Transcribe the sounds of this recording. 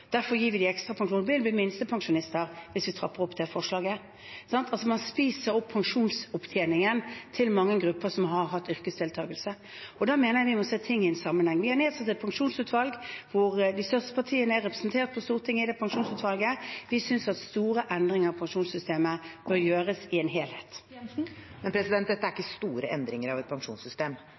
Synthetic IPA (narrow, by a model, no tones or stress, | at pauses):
d̪̥æɾfɔɾjiːʋɪd̪ɪɛkst̪ʁɑpʰɑŋʂuːnbɪlbliːmɪnst̪əpʰɑŋʂʊnɪst̪əɾʋɪsʋɪt̪ʰʁɑ̰pːəɾɔpːd̪ɛfɔʂlɑːɡə | sɑnt̪ʰɑlsɔmɑnspiːsəɾɔpʰːɑŋʂuːnsʊpt̪ʰjeːnɪŋənt̪ʰɪlmɑŋːəɡɾʉpːəsɔmɦɑɾɦɑt̪ːʏʁkəsd̪ʰɪlt̪ʰɑ̰ːɡəlsə | ɔd̪ɑmeːnəjæʋɪmɔseːt̪ʰɪŋːɪɛnsɑmːənhɛŋʋɪhɑɾneːd̪sɑt̪ːɛt̪̚pʰɑŋʂuːnsʉːt̪ʋɑlɡʋʊʁd̪ɪst̪œʁst̪ə̥pʰɑt̪ʰiːənəæɾʁɛpɾəsnt̪ʰeːɾt̪̚pʰɔst̪uːɾət̪ʰɪŋːəɪd̪ɛpʰɑŋʂuːnsʉːt̪ʋɑlɡəʋɪsʏnsɑt̪st̪uːɾəʔɛnd̪ɾɪŋəɾɑʋpʰɑŋʂuːnsʏst̪eːməb̥œɾjøːɾəsɪeːnɦeːlheːt̪ | mɛnpʰɾɛsɪd̪ɛnt̪̚d̪ɛt̪ːəæɾɪkːəst̪uːɾə̰ʔɛnd̪ɾɪŋəɾɑʋɛt̪̚pʰɑŋʂṵːnsʏst̪eːm